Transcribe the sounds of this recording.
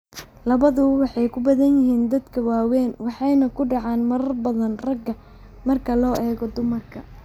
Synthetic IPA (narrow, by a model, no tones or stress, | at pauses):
lɐβɐðʊwɑħɑjkʰʊbɐðɐnjɪɦiːnd̪ɐd̪kʰɐwɑːwɛːnwɑħɑjnɐkʰʊɖɑʕɑːnmɐɾɐrbɐðɐnrɐɡɐ | mɐrkʰɐlɔːʔɛːɣɔd̪ʊmɐrkʰɐ